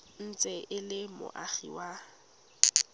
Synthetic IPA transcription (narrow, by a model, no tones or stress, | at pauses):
n̩t͡sʼɛʔɪlɪmʊ̰ʔaχḭwa